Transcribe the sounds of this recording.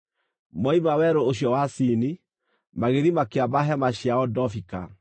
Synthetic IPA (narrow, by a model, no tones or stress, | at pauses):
mɔimawɛɾooɕjɔwasini | maɣeɾimakeabaɦɛmaɕjaɔdɔfika̰